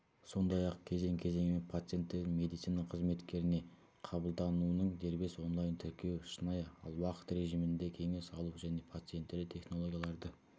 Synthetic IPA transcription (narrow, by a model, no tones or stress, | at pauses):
so̞nd̪ɑjɑq̚kʲʰe̞ze̞ŋkʲʰe̞ze̞ŋɪmepʰat̪sɨje̞nt̪ːed̪ɪme̞d̪it̪sinɑqʰəzme̞t̪kʲe̞ɾɪne̞ | qʰɑbəlˠd̪ɑnuənəɴd̪e̞ɾbe̞swo̞nlˠɑjnt̪ʰʏɾkʲe̞wʃənɑjɑlˠwɑqə̥t̪ɾe̞ʒimɪnd̪e̞kʲʰe̞ŋe̞sɑlˠuʒæne̞pʰat̪sɨje̞nt̪ːeɾlɪt̪ʰe̞χno̞lˠo̞ɡʲjalˠɑɾd̪ə